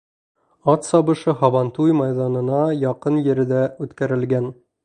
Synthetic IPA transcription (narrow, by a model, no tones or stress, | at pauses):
ɑt̪sɒbɤ̆ʃɤhɒβɑnt̪ujmɑjðɑnɤ̆nɑjɒqɤnjɘ̆ɾɘ̆d̪æʉt̪kæɾɘ̆lɡæn